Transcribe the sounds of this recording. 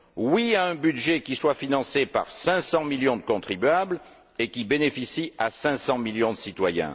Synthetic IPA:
wiaɛ̃byd̪ʒekʲiswafinɑ̃sepa̰ʁsɛ̃sɑ̃miljɔ̃d̪əkɔ̃t̪χibɥabl | ekʲibenefisiasɛ̃sɑ̃miljɔ̃d̪əsit̪wajɛ̰̃

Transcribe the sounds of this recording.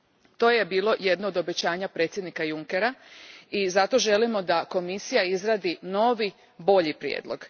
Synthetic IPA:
t̪o̞ːjebiːlo̞je̞d̪noːd̪o̞bet͡ɕaːɲapɾe̞ːt̪sʲjed̪nikajuŋkeɾaizat̪o̞ʒe̞limo̞d̪ako̞misijaizɾaːd̪ino̞ʋi | bo̞ʎipɾjḛːd̪lˠo̞ɡ̥

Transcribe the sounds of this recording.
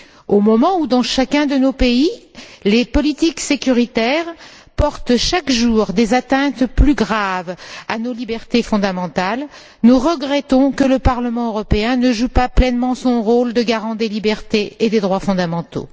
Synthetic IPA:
omɔmɑ̃ud̪ɑ̃ʃakʲɛ̃d̪ənopeilepɔlit̪iksekʲyʁit̪ɛʁ | pɔʁt̪ʃakʒuʁd̪ezat̪ɛ̃t̪plyɡʁavanolibɛʁt̪efɔ̃d̪amɑ̃t̪al | nuʁəɡʁɛt̪ɔ̃kələpaʁləmɑ̃øʁɔpeɛ̃nəʒupaplɛnmɑ̃sɔ̃ʁold̪əɡaʁɑ̃d̪elibɛʁt̪eed̪ed̪ʁwafɔ̃d̪amɑ̃t̪o̰

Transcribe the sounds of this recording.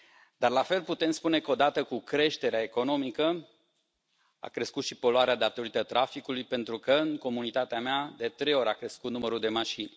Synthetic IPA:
d̪arlafe̞lput̪e̞mspune̞kəo̞d̪at̪əkukɾe̞ʃt̪e̞ɾeae̞ko̞no̞mikə | a̰kɾe̞skut̪ʃipo̞loaɾead̪at̪o̞ɾit̪ət̪ɾʔafikulujpe̞nt̪ɾukəɨŋko̞munit̪at̪eamead̪et̪ɾe̞jo̞ɾʲakɾe̞skut̪numəɾud̪e̞maʃinʲ

